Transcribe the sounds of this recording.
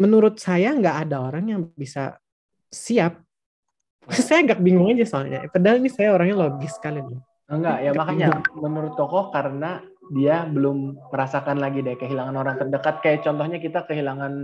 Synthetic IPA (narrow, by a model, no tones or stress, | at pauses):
mənuɾʊt̪̚sajaŋɡaʔːdaoɾaŋjaŋbisa̰ | siap̚ | sajaŋɡak̚biŋɡʊŋad͡ʒɛsoalɲa̰ʔpədalinisajaoɾaŋɲaloɡɪsə̥kalidʊ | əŋɡaʔjamakaɲamənuɾʊt̪ːɔkɔhkaɾəna | diabəlʊmːəɾasakanlaɡidakəɦilaŋanoɾaŋt̪ərdəkat̪̚kajaʔ̚t͡ʃɔnt̪ɔhɲakit̪akəɦilaŋan